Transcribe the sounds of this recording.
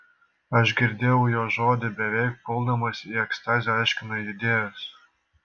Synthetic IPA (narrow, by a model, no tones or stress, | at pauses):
ɐʃ̬ɡʲɪɾʲd̪ʲeːjɛʊjoʒod̪ʲɪbʲɛʋʲɛjk̚polˠd̪omosʲiɛkst̪ɑzʲɛɑjʃʲkʲɪnojid̪ʲeːjosʲ